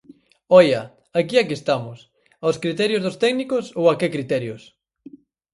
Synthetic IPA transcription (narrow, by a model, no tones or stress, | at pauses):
ɔjɐ | akiakest̪amʊs | aoskɾit̪ɛɾjʊzðʊst̪ɛɡnikʊsowakekɾit̪ɛɾjʊs